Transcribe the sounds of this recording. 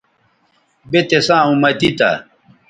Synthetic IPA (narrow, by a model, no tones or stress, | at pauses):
bet̪esãːũmɐt̪it̪ɐ̰